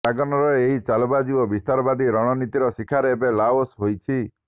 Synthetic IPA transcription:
aɡɔnɔɾɔeɦit͡ʃalɔbad͡ʒiwɔbist̪aɾɔbad̪iɾɔ̃ɔnit̪iɾɔsikʰaɾeːbelaosɦojt͡ʃʰi

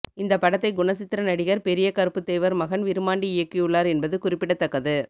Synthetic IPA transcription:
ɪnd̪ɐpːɐɽɐt̪ːɐɪɡʊɳɐsɪt̪ːɪɾɐnɐɽɪɣɐɾpɛɾɪjɐkɐɾɯpːɯt̪ːeːʋɐɾmɐɣɐnʋɪɾɯmaːɳɖiɪjɐkːijɯɭːaːɾɛnbɐðɯkʊrɪpːɪɽɐt̪ːɐkːɐðɯ

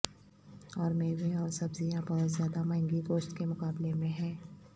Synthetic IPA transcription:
ɔːɾmeːɡẽɔːɾsɐbzijãbɐɦʊt̪zjaːd̪amɐ̃ɪ̃ŋɡiɡoːʃt̪kemʊkaːblemẽɦɛ̃ː

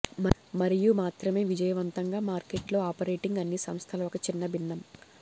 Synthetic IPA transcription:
mɐɾijumaːt̪ɾɐme̞ːʋid͡ʒɐjɐʋɐnt̪ɐŋɡaːmaːɾkeʈlo̞ːaːpɐɾeːʈiŋɡɐnːisɐmst̪ʰɐlɐɔkɐt͡ʃinːɐbinːɐm

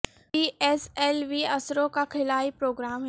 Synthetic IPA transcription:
iːɛsɛːlʋiɐsɾõkakʰɪlaːipɾoːɡɾaːmɦ

